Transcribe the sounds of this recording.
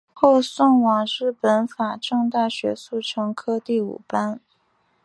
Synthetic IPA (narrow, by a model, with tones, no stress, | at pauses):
xo˥˧ʊsʊ˥˩ŋwɑ˨˩ŋɻɻ̩˥˩pə˧˥nfa˨˩ʈ͡ʂɤ˥˧ŋt̪a˥˩ɕɥɛ˧˥su˥˩ʈ͡ʂʰɤ˧˥ŋkʰɤ˥t̪i˥˩ṵ˨˩pa˥n